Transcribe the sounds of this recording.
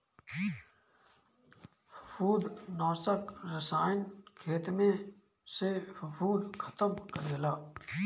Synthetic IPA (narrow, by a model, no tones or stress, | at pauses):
ffuːd̪nãːsəkɾɪsaːɪnkʰeːt̪mẽː | seffʰuːd̪kʰət̪əmkəɾeːlaː